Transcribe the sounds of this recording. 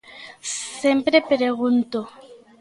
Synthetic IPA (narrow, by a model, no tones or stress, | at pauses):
sempɾepɾeɣunt̪o